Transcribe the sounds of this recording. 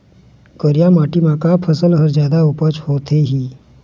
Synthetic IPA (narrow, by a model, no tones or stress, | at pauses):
kəɾjamaʈiːmakapʰəsəlɦəɾd͡ʑjad̪aupət͡ʃhot̪ʰeɦiː